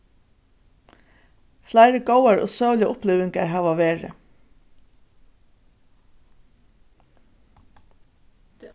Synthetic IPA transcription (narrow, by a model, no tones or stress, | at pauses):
flajɾɪɡowaɹɔ̰sœːwljaʔʊplɪʋɪŋkaɹɦaːʋaʋeːɹɪ̰